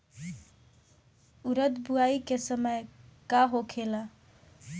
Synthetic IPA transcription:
uɾət̪buaikesəməjkaɦokʰela

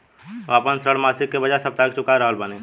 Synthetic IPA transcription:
ʋaːpənsɾəɽmaːsɪkːebəd͡ʒasəb̚t̪aːk̚t͡ʃʊkaɾəɦəlbənẽ

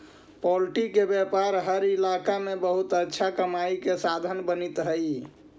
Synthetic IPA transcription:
pɔlʈikebjɛpaɾɦəɾilakamebəɦut̪ətːʃʰakəmaikesad̪ʱənbənit̪ɦəj

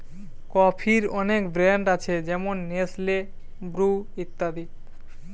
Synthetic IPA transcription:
kɔpʰiɾɔnekbɾɛɳɖat͡ɕʰed͡ʑɛmonːesle | bɾuit̪ːad̪i

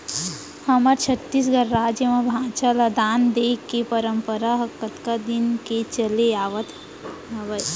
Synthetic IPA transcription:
həməɾt͡ʃʰət̪ːis̬ɡəɾːaːd͡ʒjəmẽbʱãːt͡ʃaləd̪aːnd̪eːkːepəɾəmpəɾaɦəkːət̪kad̪ɪnket͡ʃəleaːʋət̪ | ɦəbəj

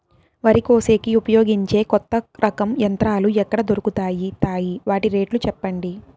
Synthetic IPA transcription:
ʋɐɾiko̞ːse̞ːkiupɐjo̞ːɡiɲt͡ʃe̞ːkɔt̪ːɐɾʔɐkɐmjɐnt̪ɾaːluɛkːɐɽɐd̪o̞ɾukut̪aːjit̪aːjiʋaːʈiɾe̞ːʈlut͡ʃɛpːɐɳɖi

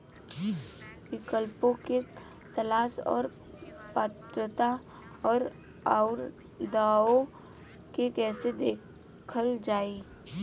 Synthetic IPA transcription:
wɪkəlpõke | t̪əlaːsɔ̰ːɾ | paːt̪ɾət̪a | ɔːɾ | aːʊɾ | d̪aːo | kekɛːsed̪eː | kʰəld͡ʒaːi

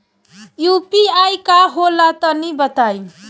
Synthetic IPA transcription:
jupiajkaɦolat̪ʌnibʌt̪aj

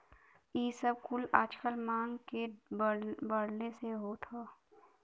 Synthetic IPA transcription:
iːsəb̚kʊlaːt͡ʃkəlmaːnke | bəɽneseɦot̪ʰaː

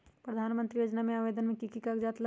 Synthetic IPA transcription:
pɾəd̪ʱaːnmə̃nt̪ɾijoːd͡ʒnamẽaːʋed̪ənmẽkikikakd͡ʒaːt̪la

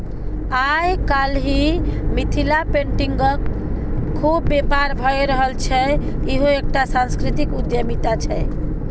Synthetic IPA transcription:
ajkalɦimit̪ʰilapeɳʈiŋɡəkʰː | ubːepaɾbʱɔeɾəɦəlt͡ʃʰɛ | iɦoek̚ʈasãnskɾit̪ikud̪jəmit̪at͡ʃʰɛ

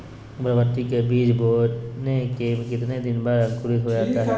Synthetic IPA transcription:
pɾəʋəɾt̪ikebiːd͡ʒboːnekeːmkɪt̪ned̪ɪnbaɾɐ̃ŋkʊɾiɦod͡ʒaːt̪aɦɛː

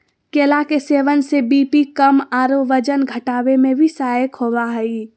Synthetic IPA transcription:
keːlakeseːʋənsebiːpikəmaːɾoʋəd͡ʒənɡʱəʈaːʋemẽbʱisaːjəkhowaɦɛi

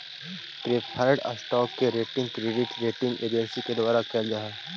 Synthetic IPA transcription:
ʈɾeːpʰaːɾɖɐ̰sʈɔːkːeɾeːʈɪ̃ŋɡkɾeːɖɪʈɾeːʈɪ̃ŋɡḛːd͡ʒəɾsiked̪ʊaːɾakeld͡ʒaːɦɛː

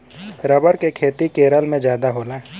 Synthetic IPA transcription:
ɾəbəɾkekʰeːt̪ikeːɾəlmẽd͡ʒjaːd̪aɦoːla

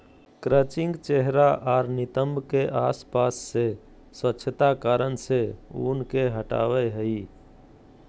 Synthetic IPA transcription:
kɾət͡ʃĩŋɡt͡ʃeɦɾaʔaːɾnit̪əmbʱkeʔaspasːe | swətːʃʰt̪akaɾənseunkeɦəʈa̰ʋɛɦəi

